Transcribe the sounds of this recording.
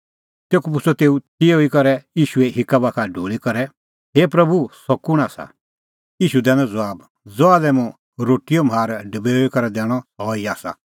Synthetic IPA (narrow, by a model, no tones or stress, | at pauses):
t̪eːkup̬ʊt͡sʰɔt̪eːut̪ioikɔɾɛjiːʃuɛɦɪkabakʰaɖʱoːɭikɐɾɛ | ɦeːpɾɐbusɔkʊɽ̃aːsa̰ | iːʃud̪ɛ̃ːnɛ̃d͡zɔaːb | d͡zɔaːlɛmũ | ɾoːʈijɔmɦaːɾɖəbɛoikɔɾɛd̪ɛːɽ̃ɔɦɔːiaːsa̰